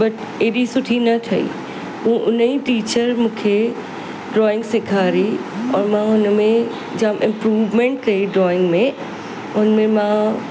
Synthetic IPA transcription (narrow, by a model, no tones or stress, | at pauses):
bɐʈ | eːɗisʊʈʰinɐt̪ʰɐḭ | ɦũːʔʊniʈiːt͡ɕəɾmũːkʰe | ɖɾɔːɪ̃ŋɡsɪkʰaːɾiɔːɾmãʊnmẽ | d͡ʑãmʔɪ̃mpɾuːʋmẽɳʈkɐiɖɾɔːɪ̃ŋɡmẽ | ʊnəmẽmã